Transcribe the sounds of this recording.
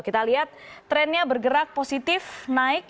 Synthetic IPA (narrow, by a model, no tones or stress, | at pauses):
kit̪aliɦat̪̚ːɾɛnɲabərɡəɾak̚posit̪ɪfnaɪk̚